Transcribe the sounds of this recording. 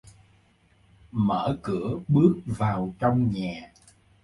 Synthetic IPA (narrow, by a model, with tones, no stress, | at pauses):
mə̰ː˧˥kɨ˧˩əɓɨ˦˥ək̚vaː˨˩wt͡ɕɔ˧wŋ͡mɲaː˨˩